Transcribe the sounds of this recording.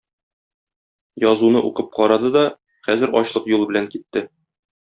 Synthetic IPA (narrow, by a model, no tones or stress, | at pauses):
jɒzunɤʔuqɤp̚qɒɾɑd̪ɤd̪ɒ | χæzɘɾɒɕlˠɤqjulˠbɘ̆læŋkit̪ːɘ